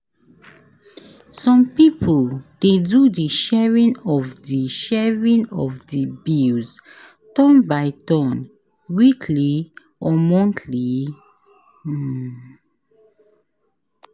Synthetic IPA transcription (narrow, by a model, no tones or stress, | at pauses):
sɔ̃mpipʰoldedudiʃɛɹĩnɔvdiʃɛɹĩnɔvdibils | tɔ̃nbaɪtɔ̃n | wikʰli | ɔmɔ̃ntʰli